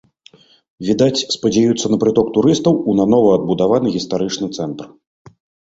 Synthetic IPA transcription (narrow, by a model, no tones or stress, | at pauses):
vʲid̪at͡sʲspɐd͡zʲajut̪sːɐnɐpɾɨt̪ɔkt̪uɾɨst̪ɐwunanɔvɐɐd̪̚bud̪avanɨɣʲist̪aɾɨt͡ʂnɨt̪sɛnt̪r